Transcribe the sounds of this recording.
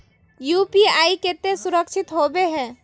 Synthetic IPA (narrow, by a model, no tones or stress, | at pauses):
juːpiaːiket̪esʊɾəkʃʰɪt̪ɦobeɦɛ̃ː